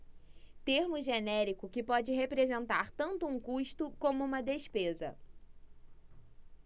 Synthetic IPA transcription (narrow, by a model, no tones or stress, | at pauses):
t̪eɾmʊʒenɛɾikʊkɪpɔd͡ʒɪɦepɾezẽnt̪aɾt̪ɐ̃nt̪ʊũŋkuʃt̪ʊkõmʊũmɐd̪eʃpezɐ̰